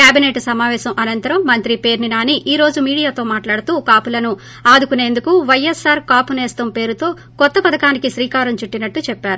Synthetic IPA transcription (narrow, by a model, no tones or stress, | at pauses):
kjaːbineːʈsɐmaːʋɛːʃɐmʔɐnɐnt̪ɐɾɐmːɐnt̪ɾipeːɾninaːniʔiːɾo̞ːd͡ʒumiːɽijaːt̪o̞ːmaːʈlaːɽut̪uːkaːpulɐnu | aːd̪ukune̞ːnd̪ukuʋɐjɐsːaːɾkaːpuneːst̪ɐmpe̞ːɾut̪o̞ː | kɔt̪ːɐpɐd̪ɐkaːnikiʃɾiːkaːɾɐmt͡ʃuʈːinɐʈːut͡ʃɛpːaːɾu